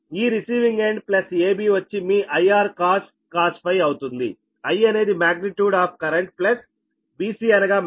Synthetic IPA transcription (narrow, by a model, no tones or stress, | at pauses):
iːɾisiːʋiŋɡeːɳɖplɐseːbiːʋɐt͡ʃːimiːʔɐjaːɾkaːs | kaːspɐjɐwt̪und̪ḭ | ɐjɐne̞ːd̪imaːɡniʈjuːɖaːp̚ʰkɐɾeɳʈ̚plɐs | biːsiːɐnɐɡaː